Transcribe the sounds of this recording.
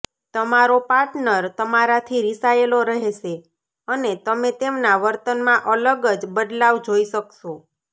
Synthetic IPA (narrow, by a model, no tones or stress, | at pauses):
t̪əmaɾopaɾʈnəɾt̪əmaɾat̪ʰiɾisaeloɾəɦeʃe | ənet̪əmet̪emnaʋəɾt̪ənmãʔələɡəd͡ʒbəd̪laʋd͡ʒoiʃəkʃo